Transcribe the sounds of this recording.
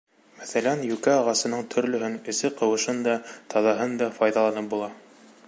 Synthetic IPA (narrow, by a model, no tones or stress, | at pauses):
mæθælænjʉkæɑʁɑsɤ̆nɤɴt̪ʰɵ̆ɾlɵ̆ɦɘnɵ̆sɘqɤ̆wɤ̆ʃɤnd̪ɑt̪ʰɑðɑɦɤnd̪ɑfɑjðɑlˠɑnɤp̚bulˠɑ